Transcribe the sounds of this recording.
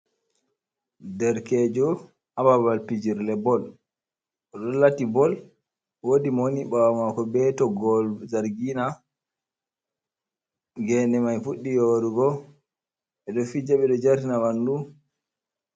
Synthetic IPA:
dɛɾkɛd͡ʒɔ | ababalpid͡ʒiɾlɛbɔl | ɔɗɔlatibɔl | wodimoniɓawamakɔbɛtɔɡɔld͡ʒaɾɡina | ɡɛnɛmajfuɗːijoːɾuɡɔ | ɛɗɔfid͡ʒaɓɛɗɔd͡ʒaɾtinawandu

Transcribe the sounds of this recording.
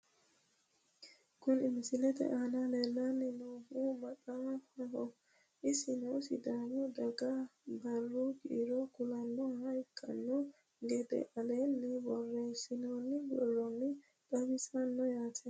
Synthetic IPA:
kʊnɪmɪsɪlɛt̪ɛ̰ʔaːnaleːlːanːɪnoːhuːmɐt̪ʼahɐɦɔ | ʔɪsɪnoːsɪ̰d̪aːnɔd̪ɐɡabɐrːuɡɪɪɾɔkʊlɐnːɔaɪkʼːɐ̰nːɔ | ɡɛd̪ɛ̰ʔɐleːnːɪbɔrːe̞ːsːɪnoːnːɪbɔlːɔnːɪ | t̪ʼɐbɪsɐnːɔjaːt̪ʰɛ

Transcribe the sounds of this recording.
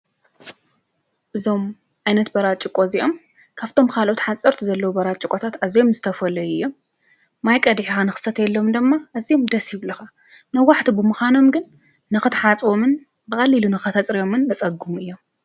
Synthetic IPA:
ʔɨzo̞m | ʕajnɐt̪bɐɾat͡ʃʼɪkʼo̞ziʔo̞m | kʰaβt̪ʰo̞mkʰalʔot̪ħat͡sʼɐɾt̪ʰuzɐlːɐwubɐɾat͡ʃʼɪkʼot̪ʰat̪azijomzɨ̥t̪ʰɐfɐlɐjuɨjːo̞mː | ajkʼɐd̪ħixanɨxɨ̥sɐt̪jɛlːo̞md̪ɨmːaʔɨzijomd̪ɐsjɪβlɐxa | nɐwːaħt̪ʰibɨmuxano̞mɡɨnː | ɨxɨt̪ħat͡sʼwomɨn | bɨkʼɐlːilunɨxɐt̪ʰɐt͡sʼɾijo̞mɨnːɐt͡sʼɐɡumuɨjːo̞m

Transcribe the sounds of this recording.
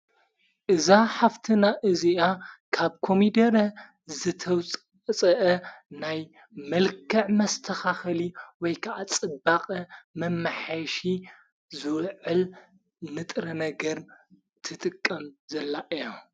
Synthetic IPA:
ʔɨzaħaft̪ʰɨnaʔɨziʔakʰaβkʰo̞mid̪ɐɾɐ | zɨt̪ʰɐwt͡sʼ | t͡sʼɐʔɐnaj | mɐlkʰɐʕmɐst̪ʰɐxaxɐliwɔjkʰɐʔat͡sʼɨbaqʼɐmɐmːaħajʃi | zɨwʕɨl | nɨt̪ʼɾɐnɐɡɐɾ | t̪ʰɨt̪ʼɨkʼːɐmzɐlːaʔɨja

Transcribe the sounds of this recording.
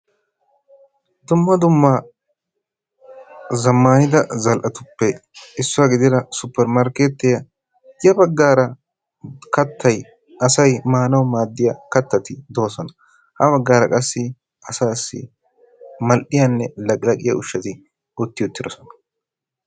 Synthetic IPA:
d̪ʊmːɐd̪ʊmːa | zɐmːaːnɪd̪ɐzɐlʔɐt̪ʊpːɛɪsːʊwaɡɪd̪ɪɾɐsʊpːɛɾmaːɾkeːt̪ːɛjɐ | jɐbɐɡːaːɾɐ | kɐt̪ʰːɐj | ɐsɐjmaːnɐwmaːd̪ːɪjɐkɐt̪ːɐt̪ɪd̪o̞ːsɔnɐ | hɐbɐɡːaːɾɐkʼɐsːɪ | ʔɐsaːsːɪ̰ | mɐlʔɪjɐnːɛlɐkʼɪlɐkʼɪjɐ̰ʊʃːɐt̪ɪ | ʊt̪ːɪjʊt̪ːɪd̪ɔsɔnɐ̥

